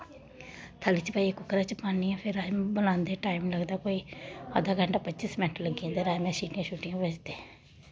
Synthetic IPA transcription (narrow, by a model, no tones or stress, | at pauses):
t̪ʰəlit͡ʃpaːikʊkɾaːt͡ʃəpaːniãːpʰɪɾaːbəlãːnd̪eːʈaːimləɡd̪aːkoːiːəd̪aːɡəɳʈaːpətːt͡ʃɪsmɛʈʰləɡãːd̪eːɾaːjmɛ̃ːsiːʈɪjãːʃʰuːʈɪjãːbəd͡ʒd̪eː